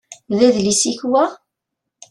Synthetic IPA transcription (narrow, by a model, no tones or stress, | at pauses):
ðæðlisiçwæ